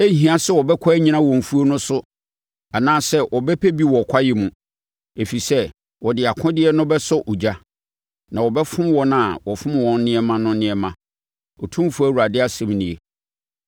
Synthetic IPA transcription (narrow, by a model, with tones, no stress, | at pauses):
e˦ɦĩ˦ã˦sɛ˦˨wɔ˨bɛ˦kʰɔ˦ɛ˦ɲĩ˦nã˦wɔ̃˨m˨fu˦o˦nʊ̃˦sʊ˦ | a˨nãː˦sɛ˦ʔɔ˨bɛ˦pʰɛ˦bi˦wɔ˨kʷʰa˦jɪ˦mũ˨ | e˨fi˨sɛ˦ | wɔ˨dɪ˨a˨kʰʊ̃˦dɪ˦ɛ˦nʊ̃˦bɛ˦sʊ˦ʔu˨d͡ʑa˦ | nã˨wɔ˨bɛ˦fʊ̃˦m˦wɔ̃˦nã˨wɔ˨fʊ̃˦m˨wɔ̃˨n˦nɪ̃˦ɛ˦mã˦nʊ̃˦nɪ̃˦ɛ˦mã˦ | ɔ˨tʰũ˦fu˦æ˦˨wu˨ɾa˨dɪ˦a˦sɛ̃˨mnĩ˨e˨